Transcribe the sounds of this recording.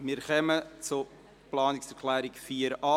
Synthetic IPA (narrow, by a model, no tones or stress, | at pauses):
miːɾχœmət͡sʊ | plɑːnɪksɛɾkʰlɛːɾɪkfiːəɾɑ